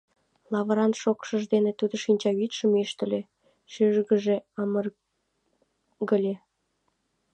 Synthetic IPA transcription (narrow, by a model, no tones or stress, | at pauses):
lɑβə̆ɾɑnʃokʃəʒd̪enet̪ud̪əʃinʲt͡ɕɑβit̪ʃə̆meʃt̪ə̆lʲe | ʃyʒɡəʒeɑmər | ɡəlʲe